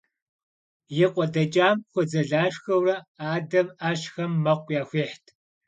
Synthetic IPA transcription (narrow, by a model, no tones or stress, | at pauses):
jɪqʷʼɔdɐt͡ʃʼaːmxʷɔd͡zɐɮaːɕxɐwrɐaːdɐmaːʃxɐmːɐqʷjaːxʷeːħtʰ